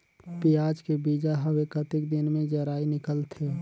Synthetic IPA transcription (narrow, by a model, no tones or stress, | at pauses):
pijaːd͡ʒkebiːd͡ʒaɦəwekət̪ɪkd̪ɪnmẽd͡ʒəɾaːinɪkəlt̪ʰe